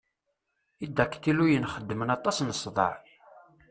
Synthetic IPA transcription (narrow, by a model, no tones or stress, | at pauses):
id̪ːækːt̪ilujənχəd̪ːmənɑt̪ˤɑsnəsˤðˤə̰ʕ